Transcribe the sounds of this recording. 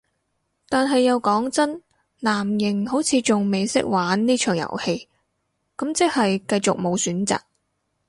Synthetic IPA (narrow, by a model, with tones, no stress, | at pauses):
t̪aː˨nɦɐ˨jːɐ˨˧wkɔː˨˥ŋt͡sɐ˥n | naː˨˩mjɪ˨˩ŋho˨˥wt͡sʰiː˨˧t͡sʊ˨ŋme˨jsɪ̰˥k̚waː˨˥nniː˥t͡ʃʰœː˨˩ŋjɐ̰˨˩whe˧j | kɐ˨˥mt͡sɪ˥k̚hɐ˨jkɐ˧jt͡sʊ˨k̚mo˨˧wsyː˨˥nt͡sa̰ː˨k̚